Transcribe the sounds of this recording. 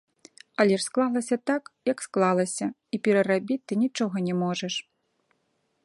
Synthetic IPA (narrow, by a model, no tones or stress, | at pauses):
ɐlʲɛʂsklˠalˠɐsʲɐt̪akjɐksklˠalˠɐsʲɐ | ipʲɛɾɐrabʲit͡sʲt̪ɨnʲit͡ʂɔɣɐnʲɛmɔʐɐʂ